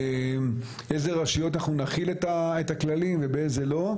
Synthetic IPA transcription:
m | ezeʁaʃijo̞t̪anaχnunaχiletaetaklalimvebeezelo̞

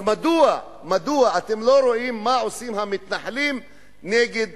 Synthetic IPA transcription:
mad̪ua | mad̪uaʔat̪emloɾoʔimːaʔosimhamit̪naħlim | neɡed̪̚

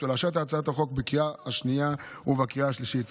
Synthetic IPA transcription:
elaʃat̪̬aːt͡saat̪aχo̞kbekiʁaaʃniauvakiʁaaʃliʃit

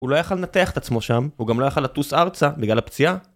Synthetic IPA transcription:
ulojaχalːenat̪eaχet̪at͡smo̞ʃamhuɡamlojaχalat̪usaʁt͡sabiɡlalapt͡sia

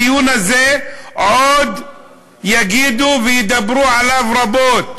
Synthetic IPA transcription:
juːnazeːʕoːd̪ | jaɡiːd̪uvɪjd̪abɾuːʕalafɾˤɑboːt̪̚

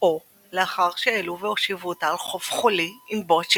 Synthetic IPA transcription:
o | leaχaʁʃeeluveoʃivuot̪aːlχo̞fχoliimbot͡ʃ

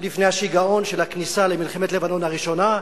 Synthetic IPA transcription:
lifnejhaʃiɡao̞nʃelhaknisalemilχemet̪levano̞nhaʁiʃo̞na

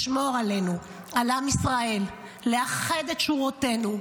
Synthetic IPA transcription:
ʃmo̞ʁale̞nu | alamisʁae̞l | le̞aχed̪et̪ʃuʁote̞nu

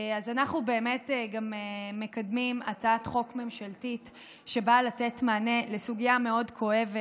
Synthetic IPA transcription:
azanaχnube̞ːme̞tɡameme̞kadmimat͡saatχo̞kme̞mʃaltit | ʃe̞balate̞tmaːnele̞suɡijame̞o̞dkʰo̞e̞ve

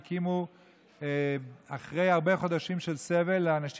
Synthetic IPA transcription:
kimu | aχʁe̞jaʁbe̞χo̞d̪aʃimʃe̞lse̞ve̞lːaːnaʃ

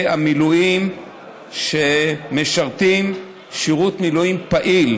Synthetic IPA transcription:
amilujim | ʃemeʃaʁt̪im | ʃiʁut̪miluimpaʔil

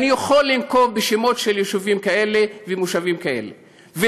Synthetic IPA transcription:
nijoχolːimko̞vbeʃemo̞tʃeljeʃuvimkae̞levemuʃavimkae̞̰lḛ | ve

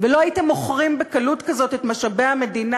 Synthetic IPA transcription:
velo̞ajitemoχʁimbekalutkazo̞te̞tmaʃabe̞ame̞dina

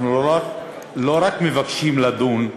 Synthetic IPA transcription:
nuoa | loɾakmevakʃimlad̪uːn

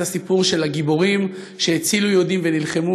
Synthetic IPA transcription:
asipuʁʃe̞laɡibo̞ʁim | ʃeːt͡silujo̞d̪imve̞nilχemu

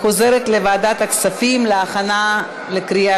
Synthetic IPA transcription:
o̞ze̞ɾet̪levaːd̪at̪haksafimleaχana | lekɾia

